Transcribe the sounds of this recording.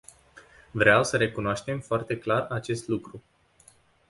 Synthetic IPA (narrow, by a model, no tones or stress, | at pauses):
vɾeawsəɾe̞kunoaʃt̪e̞mfoart̪e̞klarat͡ʃe̞st̪lukɾu